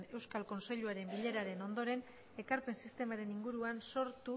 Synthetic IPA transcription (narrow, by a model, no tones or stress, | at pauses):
ne̞wskalko̞nse̞ʎuaɾe̞mbiʎe̞ɾaɾe̞no̞nd̪o̞ɾe̞n | e̞kaɾpe̞nsist̪e̞maɾe̞niŋɡuɾuanso̞ɾt̪u